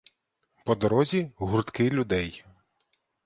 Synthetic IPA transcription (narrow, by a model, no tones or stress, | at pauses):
pɔd̪ɔɾɔzʲiɦurt̪kɪlʲʊd̪ɛj